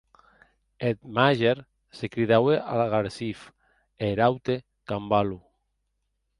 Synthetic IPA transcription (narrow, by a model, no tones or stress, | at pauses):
et̪maʒeɾ | sekɾiðaweʔalaɣaɾsif | eɾawt̪e | kambalu